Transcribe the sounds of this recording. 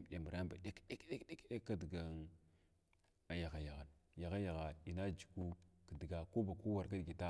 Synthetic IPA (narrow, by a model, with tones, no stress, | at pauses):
m˨ɗe˨mu˨ɾa˦ba˨ɗe˦kɗe˦kɗe˦kɗe˦kɗe˦kːa˦di˨ɡa˨ | a˨ja˨ɣa˨ja˨ɣa˨nja˨ɣa˦ja˨ɣa˨i˨na˦d͡ʒi˨ku˦kə˨di˨ɡa˨ko˦ba˨ko˦wa˨ɾka˦dɡi˨ta˦